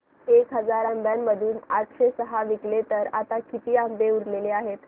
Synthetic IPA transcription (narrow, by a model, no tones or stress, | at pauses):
ekɦəd͡zaɾambjamːəd̪ʱuːnaʈʰɕesəɦaʋiklet̪əɾat̪akit̪iːambeuɽleleaɦet̪